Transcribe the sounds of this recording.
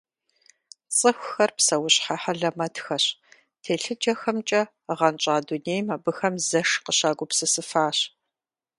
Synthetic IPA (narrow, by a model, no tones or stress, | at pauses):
t͡sʼɨxʷʊxɐrpsɐwʊɕħaħɐɮɐmɐtxɐɕ | tʰeːɬɨd͡ʒɐxɐmt͡ʃʼɐ | ʁɐnt͡ʃʼaːduneːjmaːbɨxɐmzɐʂqəɕaːɡʷʊpsɨsɨfaːɕ